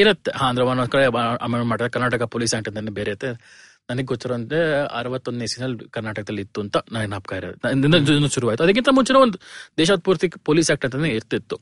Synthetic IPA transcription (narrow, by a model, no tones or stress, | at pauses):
iɾɐt̪ːeɦaːnd̪ɾɐʋaːnoskɐɭeɐ̰meɳmaːɽɾd̪ɐkɐɾnaːʈɐkapoːliːsaːkʈɐnd̪ɐnːebeɾeit̪ːe | nɐnɐɡeɡot͡ʃːiɾoneɐ̰ɾɐʋɐt̪ːond̪nesinːɐlkɐɾnaːʈɐkɐd̪ɐlːit̪ːuɐnt̪ɐnaːnaːpkaːjiɾɐɐnd̪ind̪ɐnːɐʃuɾuʋaːɡit̪uɐd̪ɐk̬ːint̪ɐmuɲt͡ʃːinɐond̪ud̪ɛːʃaːd̪̚puːɾt̪ipoːliːsaːk̚ʈɐnt̪ɐnneiɾt̪ːit̪ːu